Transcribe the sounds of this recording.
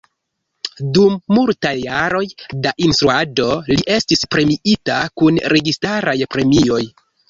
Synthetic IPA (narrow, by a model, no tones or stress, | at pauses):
dumːultajːaɾo̞jdaʔinstɾuado̞liʔe̞stispɾe̞miʔitakunɾʔe̞ɡistaɾajpɾe̞mio̞j